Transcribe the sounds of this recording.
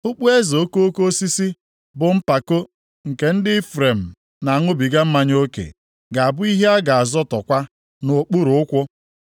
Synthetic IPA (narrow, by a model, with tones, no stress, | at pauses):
ʊ˦k͡pu˦e˦zo˨o˦ko˦o˦ko˦si˦si˦ | bʊ˨m̩˦pa˨ko˦ | ŋ̩˨ke˨n̩˦dɪ˦i˦fɾe˨m̩˨ | na˨a˨ŋʊ˦bi˨ɡa˦m̩˦ma˦ɲ˦o˦kḛ˨ | ɡa˨a˨bʊ˦i˦ɦe˦a˦ɡa˨a˨zɔ˦tɔ˨kʷa˦ | nʊ˨k͡pu˦ɾʊ˨ʊ˦kʷʊ˦